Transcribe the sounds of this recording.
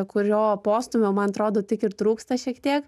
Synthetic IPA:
kʊɾʲoːpoːst̪ʊmʲomɐnɐt̪ɾoːd̪oːt̪ʲɪkɪɾt̪ɾuːkst̪ɐʃʲiɛkt̪ʲiɛk

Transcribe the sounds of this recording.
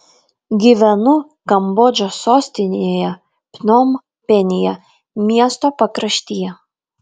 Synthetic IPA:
ɡʲiʋʲɛnʊ | kɐmbɔːd͡ʒʲosoːsʲt̪ʲɪnʲejɛ | pʲnom | pʲɛnʲɪjɛ | mʲiɛst̪opɐkɾɐʃʲt̪ʲijɛ

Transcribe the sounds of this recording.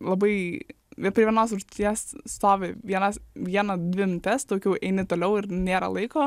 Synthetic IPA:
lˠɐbɐɪ | pʲɾʲiɛʋʲɛnoːsʒʊt̪ʲiɛsst̪oːʋʲeʋʲiɛnɐsʋʲiɛnɐd̪ʲʋʲɪnt̪ʲɛst̪oːkʲɛʊʔɛɪnʲɪt̪oːlʲɛʊɪɾnʲeːɾɐ̰lˠɐɪkoː

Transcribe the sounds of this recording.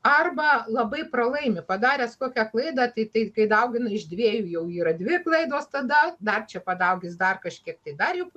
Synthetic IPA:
ɐrbɐlˠɐbɐɪprɐlˠɐɪmʲɪpɐd̪ɑːɾʲɛːskoːkʲɛklˠɐɪd̪ɑt̪ɐɪt̪ɐɪkɐɪd̪ɐʊɡʲɪnɐɪʒd̪ʲʋʲiːjuːjɛʊiːɾɐdʲʋʲɪklˠɐɪd̪oːst̪ɐd̪ɐd̪ɐrt͡ʃʲɛpɐd̪ɐʊɡʲɪsd̪ɐrkɐʃʲkʲiɛkt̪ɐɪd̪ɐrjɛʊp

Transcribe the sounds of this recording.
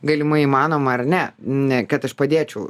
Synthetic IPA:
ɡɐlʲɪmɐimɑːnoːmɐɐrnʲɛnʲɛkɐt̪ɐʃpɐd̪ʲeːt͡ʃʲɛʊ

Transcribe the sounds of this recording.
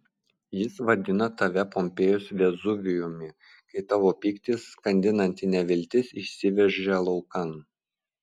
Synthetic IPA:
jɪsʋɐd̪ʲɪnɐt̪ɐʋʲɛpɔmʲpʲeːjosʋʲɛzʊʋʲɪjʊmʲɪ | kɐɪt̪ɑʋoːpʲiːkt̪ʲɪsːkɐnʲd̪ʲɪnɐnʲt̪ʲɪnʲɛʋʲɪlʲt̪ʲɪsɪʃʲsʲɪʋʲɛʒʲɛlˠɔʊkɐn

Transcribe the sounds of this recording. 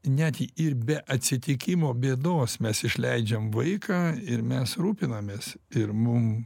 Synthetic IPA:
nʲæt̪ʲiʔɪɾbʲɛʔɐt̪ʲsʲɪt̪ʲɪkʲɪmoːbʲeːd̪oːsmʲɛsɪʃʲlʲɛɪd͡ʒʲɛmʋɐɪkɑːɪɾmʲɛsɾuːpʲɪnɐmʲeːsɪɾmʊm

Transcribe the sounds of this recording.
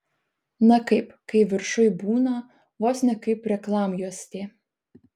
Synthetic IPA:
nɐkɐɪpkɐɪʋʲɪɾʃʊjbuːnɐ | ʋoːsʲnʲɐkɐɪpɾʲɛklˠɑːmjuɔsʲt̪ʲe

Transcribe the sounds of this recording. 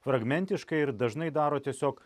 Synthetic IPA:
fɾɐɡmʲɛnʲt̪ʲɪʃkɐɪɪɾd̪ɐʒnɐɪd̪ɑːɾoːt̪ʲiɛsʲoːk

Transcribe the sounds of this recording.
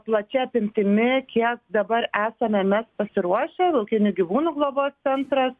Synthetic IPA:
plˠɐt͡ʃʲɛɐpʲɪmʲt̪ʲɪmʲɪkʲiɛkd̪ɐbɐɾæːsɐmʲɛmʲɛspɐsʲɪɾuɔʃʲɛlˠɐʊkʲɪnʲʊɡʲɪʋuːnuːɡlˠoːboːst̪sʲɛnt̪ɾɐs

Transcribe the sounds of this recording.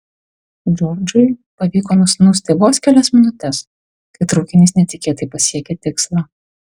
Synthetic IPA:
d͡ʒɔːɾd͡ʒʊɪpɐʋʲiːkoːnʊsʲnʊsʲt̪ʲeːboːskʲælʲɛsmʲɪnʊt̪ʲɛs | kɐɪt̪ɾɐʊkʲɪnʲiːsnʲɛt̪ʲɪkʲeːt̪ɐɪpɐsʲiɛkʲet̪ʲɪkslˠɑː

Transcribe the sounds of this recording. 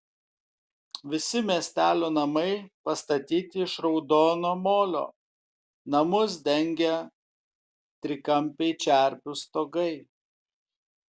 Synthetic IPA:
ʋʲɪsʲɪmʲiɛsʲt̪ʲæːlʲoːnɐmɐɪpɐst̪ɐt̪ʲiːt̪ʲɪɪʃɾɒʊd̪oːnoːmoːlʲo̰ː | nɐmʊs̬d̪ʲɛŋʲɡʲɛ | t̪ʲɾʲɪkɐmʲpʲɛɪt͡ʃʲæˑɾʲpʲʊst̪oːɡɐɪ

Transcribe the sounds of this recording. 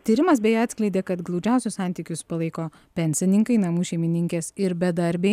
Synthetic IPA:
t̪ʲiːɾʲɪmɐsbʲɛjɛɑt̪ʲsʲklʲɛɪd̪ʲeːkɐt̪ɡlˠɒʊd͡ʒʲɛˑʊsʲʊssɑˑnʲt̪ʲiːkʲʊspɐlˠɐɪkoː | pʲɛnʲsʲɪnʲɪŋkɐɪnɐmuːʃʲeɪmʲɪnʲɪŋʲkʲeːsɪɾbʲɛd̪ɐɾʲbʲeɪ

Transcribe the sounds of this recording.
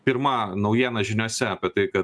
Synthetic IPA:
pʲɪɾmɐnɐʊjiɛnɐʒʲɪnʲoːsʲɛɐpʲiɛt̪ɐɪkɐ

